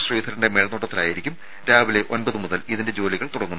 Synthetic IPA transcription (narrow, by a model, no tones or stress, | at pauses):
sriːt̪ʰɐɾɳɖe̞meɭɐnoʈːɐt̪ːilaːjiɾikʲːum | ɾaːʋile̞ʔo̞nbɐðɨmuðɐliðinde̞d͡ʑo̞ːliɣɐɭt̪uɽɐŋːunː